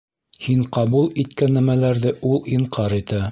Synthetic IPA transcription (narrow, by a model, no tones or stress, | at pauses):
hiɴqɑβulˠit̪kænːæmælæɾðɘʔulˠiɴqʰɑɾit̪æ